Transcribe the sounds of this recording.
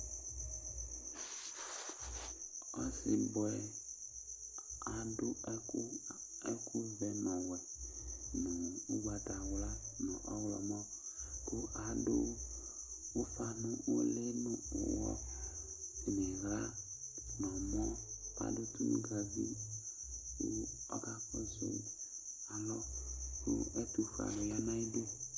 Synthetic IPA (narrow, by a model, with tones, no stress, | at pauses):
ɔ˦si˨bwɛ˨ | a˨du˦ɛ˦ku˦ | ɛ˦ku˦vɛ˦nɔ̃˨wɛ˨ | nu˨u˦ɡ͡ba˨ta˨wu˦la˦nɔ̃˨ʔɔ˦wlɔ˨mɔ˦ku˦ʔa˨du˦ | u˦fa˦nũ˨ʔo˦le˦nu˨o̰˨wɔ̰˦˨ | ne˨ɣla˦ | nɔ˨mɔ˦a̰˨˦do˦tu˦nṵ˦ɡa˨vḭ˦ | u˦ɔ̰˦ɡa˦fɔ˦zo̰˨i˦ | a˨lɔ˦kṵ˦ɛ˦tu˦fa̰˨le˨ja˦nã˦i˦do˦